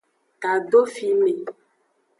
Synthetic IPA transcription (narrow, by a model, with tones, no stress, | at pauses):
ka˨ɖo˦fi˨me˨